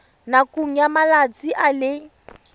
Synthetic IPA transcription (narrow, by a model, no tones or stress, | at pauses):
nakuŋ̩jamalat͡sʼiʔalɪ